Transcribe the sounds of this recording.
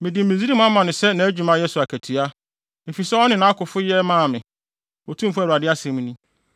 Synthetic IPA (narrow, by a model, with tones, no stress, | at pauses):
mɪ̃˨dɪ˨m˨mĩ˨zi˦i˦mʊ̃˦a˦mã˨nʊ̃˨sɛ˦nã˨æ˦d͡ʑᶣu˨mã˦jɛ˦sʊ˨a˨kʰæ˨tʰu˨a˦ | mɪ̃˨fi˨sɛ˦ɔ˦nɪ̃˨nã˨˦kʊ˨fʊ˦jɛ˦mãː˦˨mɪ̃˨ | ɔ˨tʰũ˦m̩˦fʊ˦æ˨ɾu˨a˨dɪ˦a˦sɛ̃˨˦mʊ̃˦nĩ˦